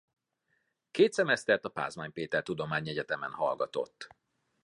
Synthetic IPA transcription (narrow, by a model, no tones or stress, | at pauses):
keːt̪sɛmɛst̪ɛrt̪ɒpa̰ːzmaːɲpeːt̪ɛrt̪ud̪o̞maːɲiɛɟɛt̪ɛmɛnhɒ̰lɡɒt̪o̞̰t̪ː